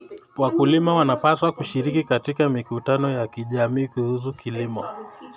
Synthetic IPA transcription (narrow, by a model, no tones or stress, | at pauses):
wakulimawanapaswakuʃiɾikikatikamikutanɔjakiʄamiːkuhus̬ukʰilimɔ